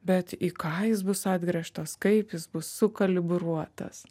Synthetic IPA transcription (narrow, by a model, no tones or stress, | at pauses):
bʲɛt̪iːkɑːjɪsbʊsɑːd̪ʲɡɾʲɛʃt̪ɐskɐɪpjɪsbʊsːʊkɐlʲɪbɾuɔt̪ɐ̰s